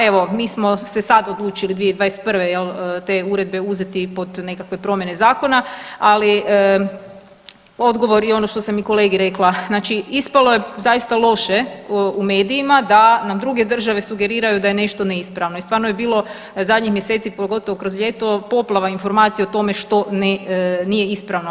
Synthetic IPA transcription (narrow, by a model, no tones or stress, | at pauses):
eʋo̞miːsmo̞sesad̪od̪lˠuːt͡ʃilid̪ʋieid̪ʋaːjese̥t̪̚pr̩ʋe̞jelət̪e̞ːuɾe̞d̪̚be̞uze̞t̪ipo̞d̪ne̞kakʋe̞pɾo̞mje̞ne̞zaːko̞naali | o̞d̪ɡo̞ʋo̞ɾio̞no̞ʃt̪o̞samiko̞le̞ɡiɾe̞klˠaznaːt͡ʃiispalo̞je̞zajist̪alˠo̞ʃe̞ume̞ːd̪iimad̪anamd̪ɾuɡe̞d̪ər̩ʒaʋe̞suɡe̞ɾiːɾajud̪ajene̞ʃt̪o̞neispɾaʋnoist̪ʋaːɾnojebiːlˠo̞ | zad̪ɲixmjese̞t̪sipoɡo̞t̪o̞ʋokɾo̞zʎʲe̞ːt̪o̞po̞plˠaʋainfo̞ɾmaːt̪sijeot̪o̞me̞ʃt̪o̞nenije̞ispɾaʋno